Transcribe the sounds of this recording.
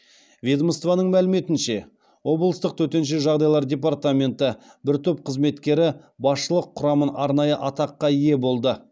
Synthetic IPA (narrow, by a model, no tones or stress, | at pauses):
vʲed̪məst̪vanəɴmælɪme̞t̪ɪnʃe̞ | wo̞blˠəst̪əq̚t̪ʰɵt̪e̞nʃ̬e̞ʒɑʁd̪ɑjlˠɑɾdʲe̞p̬art̪amʲe̞nt̪ə | bɪɾt̪ʰɵp̚qʰəzme̞t̪kʲe̞ɾɪ | bɑsʃəlˠəqʰːʊɾɑmənɑɾnɑjəʔɑt̪ɑqːɑije̞bo̞lˠd̪ə